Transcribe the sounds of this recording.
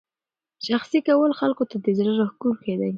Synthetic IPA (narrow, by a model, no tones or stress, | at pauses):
ʃaxsikawəlxalkot̪ad̪əzɾaɾahkulxed̪a̰j